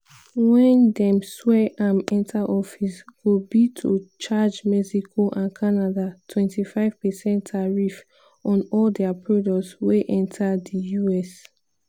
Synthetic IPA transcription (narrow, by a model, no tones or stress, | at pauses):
wɛ̃ndɛ̃mswɛʔãmɛ̃ntʰaʔɔfisɡ̥obitʰot͡ʃad͡ʒmɛsikʰoʔãnkʰanadatʰwɛ̃ntʰifaɪv̥pɛsɛ̃ntʰaɹif | ɔ̃nɔldɛapʰɹɔdɔksweʔɛ̃ntʰadəjuɛs